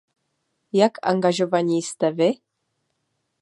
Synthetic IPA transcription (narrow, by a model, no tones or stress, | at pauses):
jakʰa̰ŋɡaʒovanʲist̪avɪ